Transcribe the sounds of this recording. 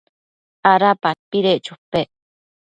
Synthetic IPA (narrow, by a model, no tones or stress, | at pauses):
aɾapat̚piɾeʔt͡ʃupeʔ